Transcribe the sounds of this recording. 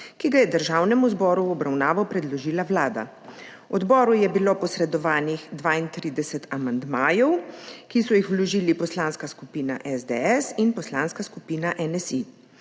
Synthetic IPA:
kiɡajɛd̪əɾʒaːwnɛmuzbɔːɾuɔbɾawnaːʋɔpɾɛd̪lɔʒiːlawlaːd̪a̰ | ɔd̪bɔːɾujɛbilopɔsɾɛd̪ɔʋaːnixd̪ʋaːint̪ɾiːd̪ɛsɛt̪amand̪maːjɛwkisɔjixwlɔʒiːlipɔslaːnskaskupiːna̰ʔɛzd̪ɛɛsinpɔslaːnskaskupiːnaʔɛnɛsi

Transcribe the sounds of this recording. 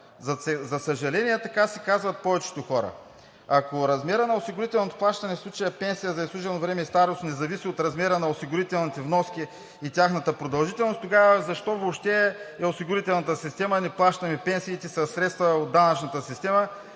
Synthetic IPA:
ɐɛzɐsɐʒɐlɛniɛt̪ɐkasɛ̥kazvɐt̪̚pɔvɛt͡ʃɛ̥t̪oxɔɾə̰ | ɐkoɾɐzmɛɾənɐosiɡʊɾit̪ɛlˠnot̪o̥plˠaʃt̪ɐnɛfsˠut͡ʃɐjəpɛnsijəzɐislˠuʒɛlnovɾɛmɛist̪aɾost̪nɛzɐvisiot̪ɾɐzmɛɾənɐosiɡʊɾit̪ɛlˠnit̪ɛvnɔskʲiː | t̪ʲaxnɐt̪əpɾod̪ɐlˠʒit̪ɛlˠnost̪oɡavəzɐʃt̪ɔvopʃt̪ɛɛosiɡʊɾit̪ɛlˠnɐt̪əsist̪ɛmɐnɛplˠaʃt̪ɐmɛpɛnsiːt̪ɛsɐsːɾɛt̪st̪vɐod̪anɐt͡ʃnɐt̪əsist̪ɛmə

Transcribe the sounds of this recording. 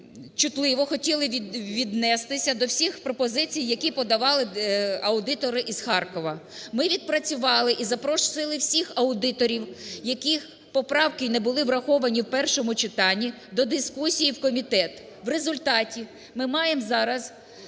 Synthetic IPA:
t͡ʃʊt̪lˠɪʋɔxɔtʲilˠɪʋʲid̪nɛst̪ɪsʲɐd̪ɔwsʲixpɾɔpɔzɪt͡sʲijːɐkʲipɔd̪ɐʋɑlˠɪɐʊd̪ɪt̪ɔɾɪʔiz̥xɑrkɔʋɐmɪʋʲid̪̚pɾɐt͡sʲʊʋɑlˠɪʔizɐpɾɔʃsɪlˠɪwsʲixɐʊd̪ɪt̪ɔɾʲiwjɐkix | pɔpɾɑwkɪnɛbʊlˠɪwɾɐxɔʋɐnʲiwpɛrʃɔmʊt͡ʃɪt̪ɑnʲːi | d̪ɔd̪ɪskusʲijiwkɔmʲit̪ɛt̪ | ʋrezʊlʲt̪ɑtʲi | mɪmɑjemzɑɾɐz

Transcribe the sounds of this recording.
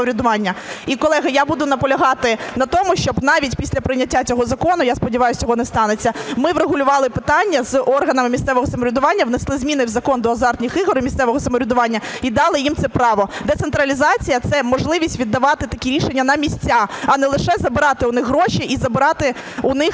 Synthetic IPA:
ɔɾʲɪd̪ʊʋɑnʲːɐikɔlˠɛɦɐjabud̪ʊnɐpɔlʲɐɦɑt̪ɪnɐt̪ɔmʊʃt͡ʃɔbnɑʋʲitʲpʲisʲlʲɐpɾɪnʲːɐtʲːat͡sʲɔɦɔzɐkɔnʊjaspɔdʲiʋɑjʊsʲt͡sʲɔɦɔnɛst̪ɑnet͡sʲːɐmɪʋɾeɦʊlʲʊʋɑlˠɪpɪt̪ɑnʲːɐzɔrɦɐnɐmɪmʲist̪sɛʋɔɦɔsɐmɔɾʲʊd̪ʊʋɑnʲːɐʋneɪslˠɪzmʲinɪwzɐkɔnd̪ɔːzɑrt̪ʲnʲixɪɦɔɾɪmʲist̪sɛʋɔɦɔsɐmɔɾʲʊd̪ʊʋɑnʲːɐid̪ɑlˠɪjimt̪sɛpɾɑʋɔd̪ɛt̪sent̪ɾɐlʲizɑt͡sʲijɐt̪sɛmɔʒlˠɪʋʲisʲtʲʋʲid̪ːɐʋɑt̪ɪt̪ɐkʲiɾʲiʃenʲːɐnɐmʲisʲt͡sʲːaɐnɛlˠɪʃɛzɐbɪɾɑt̪ɪʊnɪxɦɾɔʃiʔizɐbɪɾɑt̪ɪ | ʊnɪx

